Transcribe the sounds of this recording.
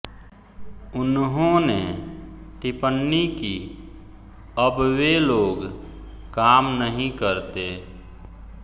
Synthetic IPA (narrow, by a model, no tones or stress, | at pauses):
ʊnɦõne | ʈɪpənːiki | əbweloːɡ | kaːmnəɦĩkəɾt̪e